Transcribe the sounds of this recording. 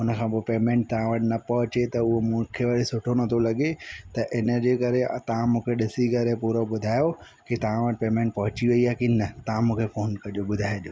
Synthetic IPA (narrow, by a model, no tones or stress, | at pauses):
ʊnəkʰãːbɪpeːmẽːɳʈ̚t̪ɐʋãʋɐʈɪnɐpɐɦʊt͡ɕet̪ɐʊɦomũːkʰeʋɐɾisʊʈʰonɐt̪ʰolɐɠet̪ɐʔɪnəd͡ʑeːkɐɾet̪ɐʋãmũːkʰeɗɪsikɐɾepuɾoɓʊd̪ʱaːjo | kit̪ɐʋãʋɐʈ̚peːmẽːɳʈ̚pɐɦʊt͡ɕiʋɐiakinɐt̪ɐʋãmũːkʰefoːnkɐd͡ʑoɓʊd̪ʱaːjʄoː